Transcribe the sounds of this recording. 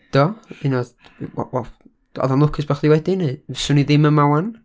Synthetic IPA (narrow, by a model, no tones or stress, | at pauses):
d̥ɔɨnɔðw̰wɛ̥ | ɔ̰ðanlˠʊkʰɪsb̥aχðiwɛdɪnɨvɪsʊniðɪməmawan